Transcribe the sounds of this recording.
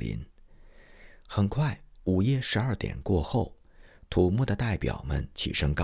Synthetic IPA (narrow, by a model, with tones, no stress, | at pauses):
lḭ˧˥n | xə˨˩nkʰwa˥˩ɪu˨˩jɛ˥˩ʂɻ̩˧˥ɐ˞˥˩t̪jɛ̰˨˩nkwɔ˥˧xo˥˩ʊ | t̪ʰu˨˩mu˥˩d̪ə˩t̪a˥˩ɪpjɑ̰˨˩ʊmə̰˧˥nt͡ɕʰḭ˨˩ʂɤ˥ŋkɑ˥˧